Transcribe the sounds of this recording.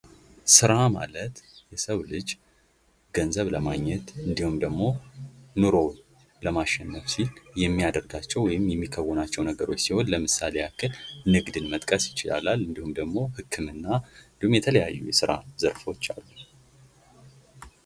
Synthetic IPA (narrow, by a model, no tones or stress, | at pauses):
sɨɾama̰lət̪jɛsəβlɨd͡ʒ | ɡ̥ənzəβləmaɡɲːɛt̪ɨnd̪ihumd̪əɡmo̞nuɾo̞ | ləmaʃːɛnːəfsiljɛmːijad̪əɾɡat͡ʃːɛwɔjɪmjɛmːikʰːəwːɔnat͡ʃːɛwnəɡəɾo̞t͡ʃːsiho̞nləmɨsaleakʰːɨlnɨɡd̪ɨnmət̪ʼkʼəsjɪt͡ʃɪla̰lalɨnd̪ihumd̪əɡmo̞hɨkʰːɨmɨnːaɨnd̪ihumjɛt̪ʰələja̰jːṵjɛsɨɾa̰zəɾfo̞t͡ʃːa̰lːu